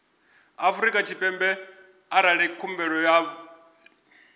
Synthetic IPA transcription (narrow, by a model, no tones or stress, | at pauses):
afuɾikʼat͡ʃʰipʼɛmbɛ | aɾaɺɛkʰumbɛɺɔja